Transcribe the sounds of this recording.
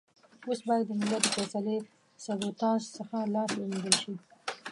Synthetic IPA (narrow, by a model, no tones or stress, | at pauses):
osbɑjad̪ːəmɪlaəfɛsale | sabot̪ɑsːəxalɑsloned̪əlʃi